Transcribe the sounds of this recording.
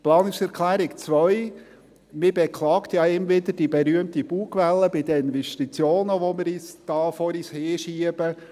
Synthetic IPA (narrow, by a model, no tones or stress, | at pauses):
plɑːnʊŋsɛɾkʰlæːɾɪkt͡sʋœʏ | mɪbɛkʰlɑːkt̪jɑɪmvɪd̪əɾd̥ibɛɾyəmt̪ib̥uːkʋɛlːəbɪd̪əɪnvɛʃtit͡sjoːnəʋɔmɪɾiːsd̥ɑːfɔɾiːsheːʃiəb̥ə